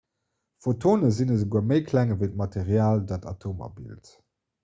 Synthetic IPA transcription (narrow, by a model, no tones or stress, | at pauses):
fotʰoːnəzinəzəɡuɐməɪkʰlæŋəvəɪt̚mɑtʰeʁjaːldaːtɑ̰tʰoːma̰bḭlt